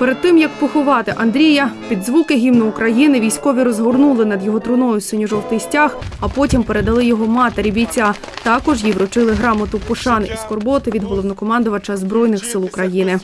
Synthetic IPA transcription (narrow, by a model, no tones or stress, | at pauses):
peɾed̪t̪ɪmjɐk̚pɔxʊʋɑt̪ɪʔɐnd̪ɾʲijɐpʲid̪zʋukɪɦʲimnɔʊkɾɐjinɪʋʲijsʲkɔʋʲiɾɔzɦɔrnulˠɪnɐd̪jɔɦɔt̪ɾʊnɔjʊsɪnʲiʒɔwt̪ɪsʲtʲaxɐpɔtʲimpeɾe̞d̪ɐlˠɪjɔɦɔmɑt̪eɾʲibʲit͡sʲːa | t̪ɑkɔʒjiʋɾɔt͡ʃɪlˠɪɦɾɑmɐt̪ʊpɔʃɑnɪʔiskɔrbɔt̪ɪʋʲid̪ɦɔlˠɔʋnɔkɔmɑnd̪ʊʋɐt͡ʃɐzbɾɔjnɪxsɪlˠʊkɾɐjinɪ